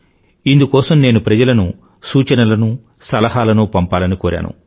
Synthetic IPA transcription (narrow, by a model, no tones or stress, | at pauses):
ind̪ukɔːsɐmne̞ːnupɾɐd͡ʒɐlɐnu | suːt͡ʃɐnɐlɐnu | sɐlɐɦaːlɐnupɐmpaːlɐnikoːɾa̰ːnṵ